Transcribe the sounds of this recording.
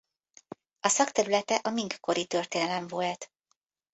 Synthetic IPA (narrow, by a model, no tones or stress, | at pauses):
ɒsɒkt̪ɛɾylɛt̪ɛʔɒmiŋkko̞ɾit̪ø̞rt̪eːnɛlɛɱvolt̪